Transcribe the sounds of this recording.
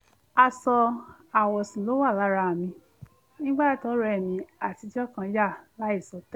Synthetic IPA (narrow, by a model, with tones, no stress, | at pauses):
a˧sɔ˧ | a˨wɔ˨sĩ˨lo˨˦wa˦˨la˨˦ɾa˧˨mĩ˧ | nĩ˦ɡ͡ba˦tɔ˨˦ɾɛ˦˨mĩ˧a˨ti˨˧˦d͡ʒɔ˦˨kã˧˦ja˦˨la˨˦i˦˨sɔ˧˦tɛ˦